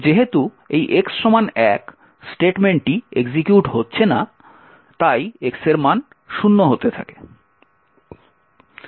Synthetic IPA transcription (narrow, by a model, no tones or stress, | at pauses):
d͡ʑeɦet̪u | ejʔeksːɔmanɛk | sʈeʈmeɳʈʈieɡd͡ʑikjuʈɦotːɕʰena | t̪ajekseɾman | ʃunːoɦot̪et̪ʰa̰ke̥